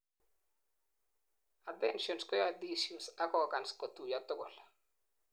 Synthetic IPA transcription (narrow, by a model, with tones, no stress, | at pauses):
a˨tɛnʃɔ˨nskɔ˦ja˦disu˨nsa˦kɔ˨ka˨nskɔ˨t̪u˨ja˨t̪ʊ˦ɡʊ˨l